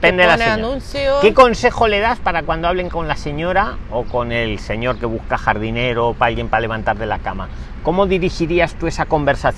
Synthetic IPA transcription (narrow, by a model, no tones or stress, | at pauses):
end̪eaanũnθjoke̞ko̞nse̞xo̞le̞ðaspaɾakwand̪oaβle̞ŋko̞nlase̞ɲo̞ɾao̞ko̞ne̞lse̞ɲo̞ɾke̞β̞uskaxaɾð̞ine̞ɾo̞paalɣje̞mpale̞β̞ant̪aɾðe̞lakama | ko̞mo̞ðiɾixiɾiast̪ue̞sako̞mbe̞ɾsaθ